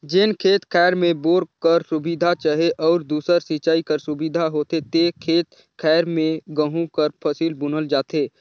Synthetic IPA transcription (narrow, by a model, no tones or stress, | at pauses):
d͡ʒɪnkʰeːt̪kʰɛːɾmẽboːɾkəɾsʊbid̪ʱat͡ʃaɦeʔɔːɾd̪uːsəɾsit͡ʃaːikəɾsʊbid̪ʱaɦoːt̪et̪ekʰeːt̪ | kʰɛːɾmẽɡəɦũkəɾpʰəsiːlbʊnəld͡ʒaːt̪eː